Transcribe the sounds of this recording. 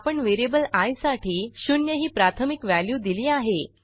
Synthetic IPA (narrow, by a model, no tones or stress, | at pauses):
apəɳʋeɾiebəlajsaʈʰiːɕunjəɦiːpɾat̪ʰəmikʋæljuːd̪iliːaɦe